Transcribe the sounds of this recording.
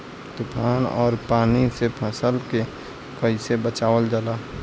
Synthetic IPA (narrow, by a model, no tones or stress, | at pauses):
t̪ʊpʰaːnɔ̰ːɾpaːnisepʰə̃səlke | kəɪsebət͡ʃaːʋəld͡ʒalaː